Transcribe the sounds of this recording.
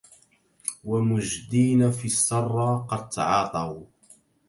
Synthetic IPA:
wamʊd͡ʒd̪iːnafiːɑsːɑrˤːɑːqɑd̪̚t̪ʰɑ̰ʕɑːt̪ˤɑhʊː

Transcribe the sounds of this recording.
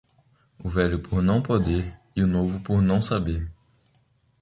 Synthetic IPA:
ʊvɛʎʊpʰoɾnɐ̃w̃pod̪eɾ | ɪʊnovʊpoɾnɐ̃w̃sabeɾ

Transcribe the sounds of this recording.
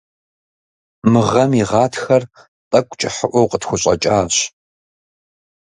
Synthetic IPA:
mɨʁɐmiʁɑːtʰxɐr | tʼɐkʷʼt͡ʃʼɪ̰ħəʔʷowqətxʷʊɕʼɐ̰t͡ʃʼaːɕ

